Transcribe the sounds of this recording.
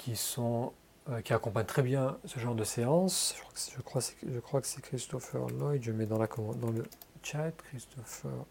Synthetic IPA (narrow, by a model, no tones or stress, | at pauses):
kʲʰisɔ̃ | økʲiakɔ̃paɲt̪χɛbjɛ̃səʒɑ̃ʁd̪əseɑ̃sʒə̥kwasʒəkχwasɛ̥ʒəkχwakə̥sɛkχist̪ɔfɛ̰ʁnɔjd̪ʒəmɛd̪ɑ̃lakɔmɑ̃d̪ɑ̃lət͡ʃat̪kχist̪ɔfɛ̰ʁ